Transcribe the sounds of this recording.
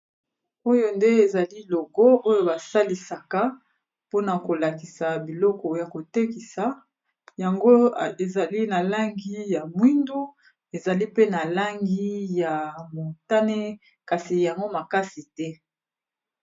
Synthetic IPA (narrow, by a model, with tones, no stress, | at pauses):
o˦jo˨nde˦e˨za˨li˦lo˨ɡo˦ʔo˦jo˨ba˨sa˦li˨sa˨ka˦ | po˦na˨ko˨la˨ki˨sa˨bi˨lɔ˦kɔ˨ja˨ko˨te˦ki˨sa˨ | ja˨ŋɡo˦e˨za˨li˦na˨la˦ŋɡi˦ja˨mwi˦ndu˦ | e˨za˨li˦pe˦na˨la˦ŋɡi˦ja˨mo˨ta˦ne˦ | ka˨si˨ja˨ŋɡo˦ma˨ka˦si˨tɛ˦